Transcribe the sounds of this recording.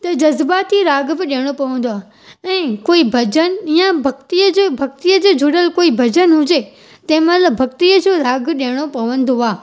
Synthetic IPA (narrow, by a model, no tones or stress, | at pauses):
t̪ɐd͡ʑɐzbaːt̪iɾaːɡbɪɗeːɽ̃opɐʋə̃nd̪oaː | ɛ̃ːkoːibʱɐd͡ʑənijãbʱɐɡt̪iəd͡ʑebʱɐk̚t̪ijəd͡ʑeːd͡ʑʱʊɽəlkoːibʱɐd͡ʑənɦʊd͡ʑe | t̪ɐ̃ɦɪ̃mɐnlɐbʱɐkt̪iəd͡ʑoːɾaːɡɗeɽ̃opɐʋə̃nd̪oaː